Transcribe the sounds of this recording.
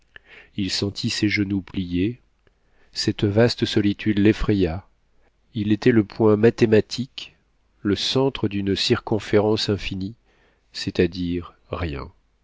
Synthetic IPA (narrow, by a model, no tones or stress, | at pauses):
ilsɑ̃t̪ʰisɛʒənuplije | sɛt̪vast̪əsɔlit̪ʰyd̪lefχeja | ilet̪ɛləpwɛ̃mat̪emat̪ʰik | ləsɑ̃t̪χəd̪ynsiʁkɔ̃feʁɑ̃sɛ̃fini | sɛt̪ad̪iʁː | jɛ̰̃